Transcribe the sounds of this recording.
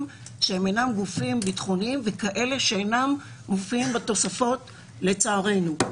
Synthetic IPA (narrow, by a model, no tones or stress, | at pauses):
m | ʃehemejnamɡufimbitχonimvekaʔe̞le̞ʃeenam | mofiimbato̞safo̞t | le̞t͡saːʁe̞jnu